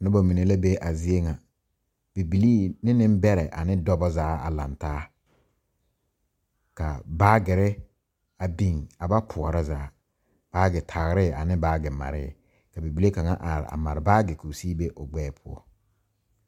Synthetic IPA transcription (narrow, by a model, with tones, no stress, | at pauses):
nʊ˦ba˨mi˨ne˨la˦be˦ʔa˨zɪ˦e˦ŋa˨ | b̥i˨bi˨liː˦nɪ˦nɪ˦m˦bɛ˦ɾɛ˨ʔa̰˨nɪ˦dɔ˦bɔ˦zaː˨˦a̰˨la̰˨ntaː˦ | ka̰˨baː˦ɡɪ˨ɾɪ˦ | a˨bi˦˨ŋa˨ba˦pʰʊ˨ɔ˨ɾa˦zaː˨˦ | b̥aː˦ɡɪ˨tʰa˨ɣɾɪ˦˨a˨nɪ˦baː˦ɡɪ˨ma̰˨ɾɪ̰˦˨ | ka˨bi˨bi˨le˦ka˨ŋa̰˦ʔa˨ɾɪ̰˨a̰˨ma̰˨ɾɪ˨baː˦ɡɪ˨ku˨si˦be˦ʔʊ˨ɡ͡bɛː˦pʰʊ˦ɔ̰˦